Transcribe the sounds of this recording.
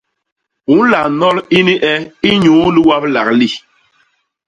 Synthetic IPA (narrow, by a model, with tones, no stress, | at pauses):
u˨˦n˦la˨nɔ˦li˦ni˦ʔɛ˦i˦ɲũː˨˦li˦wa˦bla˨kli˦˨